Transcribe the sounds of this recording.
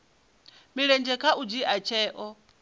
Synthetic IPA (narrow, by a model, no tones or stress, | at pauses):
miɺɛnd͡ʒɛkʰaʔud͡ʒiʔat͡ʃʰɛːʔɔ